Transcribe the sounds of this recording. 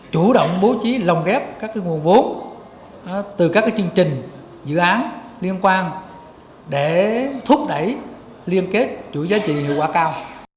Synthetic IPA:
t͡ɕu˧˩ɗo̰˧˨wŋ͡mɓo˨˦t͡ɕi˨˦lə˨˩wŋ͡mɣɛ˦˥p̚kaː˦˥kːaː˨˦jŋu˨˩ənvo˨˦˨ | t̪ɨ˨˩ka˦˥kːaː˨˦t͡ɕɨ˧əŋt͡ɕï˨˩ŋ̟ | zɨ̰˧˨ʔaː˨˦n | li˧ənkwaː˧n | ɗe˧˩t̪ʰu˦˥k̚ɗə˧˩j | li˧ənke˦˥t̚t͡ɕu˧˩zaː˨˦t͡ɕḭ˧˨ɦi˧˨əwkwaː˧˩kaː˧w

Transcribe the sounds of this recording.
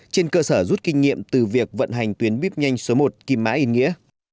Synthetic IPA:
t͡ɕe˧nkəː˧səː˧˩zu˦˥t̚kï˧ŋ̟ŋḭ˧˨əmt̪ɨ˨˩vi˨˩ək̚və̰˧˨nɦa˨˩jŋ̟t̪wi˨˦ənɓi˦˥p̚ɲa˧jŋ̟so˨˦mo˨˩t̚ki˧˩ma̰ː˧˥ʔi˧nŋḭ˧˥ə

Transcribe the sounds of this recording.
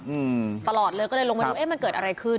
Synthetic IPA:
ʔɯː˧t̪a˧lɔː˨˩t̪̚lɤː˧jkɔ˥˩lɤː˧jlo˧ma˧du˧˦˥ʔe˦˥˩ma˧nkɤː˨˩t̪̚ʔa̰˧ɾa˧jkʰɯ˥˩

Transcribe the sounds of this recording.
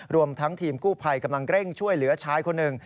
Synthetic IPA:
ɾu˧əmt̪ʰa˦˥ŋt̪ʰiː˧mkuː˥˩pʰa˧jka˧mla˧ŋɾe˥˩ŋt͡ɕʰu˥˩əjlɯ˩˦ɐt͡ɕʰaː˦˥jkʰo˧nːɯ˨˩ŋ

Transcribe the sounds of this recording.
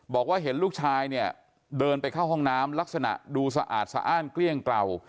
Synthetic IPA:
bɔː˨˩k̚waː˥˩ɦe˩˦nluː˥˩k̚t͡ɕʰaː˧jni˥˩ə | dɤː˧npa˧jkʰa˥˩wɦɔ˥˩ŋnaː˦˥mla˦˥k̚sa˧na̰˨˩ʔduː˧sa˧ʔa̰ː˨˩t̪̚sa̰ː˦ʔaː˥˩nkli˥˩əŋkla˧w

